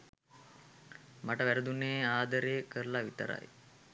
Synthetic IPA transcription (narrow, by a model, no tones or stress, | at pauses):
maʈəʋæɾəd̪uneːaːd̪əɾejəkəɾlaʋit̪ə̰ɾa̰j